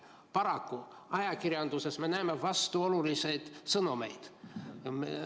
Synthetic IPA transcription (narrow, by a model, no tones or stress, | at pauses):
pɑɾɑkːu | ɑjɑkirjɑnd̪use̞sme̞næemevɑst̪uo̞lulisejd̪̥sɤnume̞̰jd̪̥me